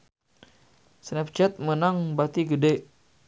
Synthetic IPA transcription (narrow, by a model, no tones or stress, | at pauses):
snɛp̚t͡ʃɛt̪̚mənaŋbat̪iɡədɛ